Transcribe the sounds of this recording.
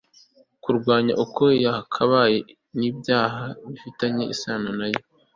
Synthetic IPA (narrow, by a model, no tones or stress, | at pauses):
kuɾɡwaːɲaʔukojakʰaβaje | niːbjaːɦaβifitaɲe̞isaːnonajo